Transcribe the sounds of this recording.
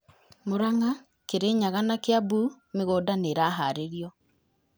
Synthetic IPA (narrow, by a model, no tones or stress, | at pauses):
moɾaŋa | keɾeɲaɣanakeabu | meɣoːdaneɾaɦaɾeɾjɔ